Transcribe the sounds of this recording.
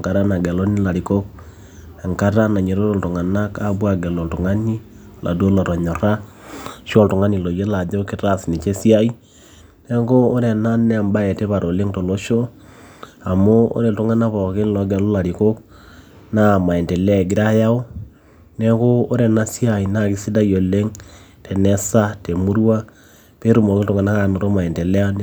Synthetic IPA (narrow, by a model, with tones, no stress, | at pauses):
ka˨ɾa˦na˨ɡɛ˨lo˦ni˦la˨ɾi˨ko˦k | a˨ŋka˦ɾa˦na˨ɲe˨ɾo˦ɾo˦lto˨ŋa˨na˦ka˦βwa˨ɡɛ˨lo˨lto˨ŋa˦ni˦ | la̰˨do˦lo˨ɾo˨ɲo˨ɾa˦ | ʃo˦lto˨ŋa˦ni˨lo˨je˦la˨d͡ʒo˦o˦ke˦ta˦si˨ne˨t͡ʃe˦sia˦i˦ | ne˦ŋkoː˦ɾɛ˨na˦nɛ˦˨mba˦e˨te˦βa˨ɾʔo˨le˦ŋto˨lo˦ʃo˦ | a˨mo˦o̰˦ɾe˨ltu˦ŋa˦na˦pɔ˨ke˦˨lɔ˦ɡɛ˨lo˦la˨ɾi˨ko˦k | na˦˨ma˨e˨nte˨la˨ɡi˦ɾa˦ja˦o˦ | nɛ˦ko˦o˦ɾɛ˨na˦si˦a˨i˨na˦˨ki˦si˦da˦jo˨le˦ŋ | tʰe˨nɛ˦sa˦te˨mu˦ɾwa˦ | pe˦ɾu˦˨mo˨ke˦ltu˨ŋa˨na˦ka˨no˨ɾo˦ma˨e˨nte˨lɛ˦a˦n˦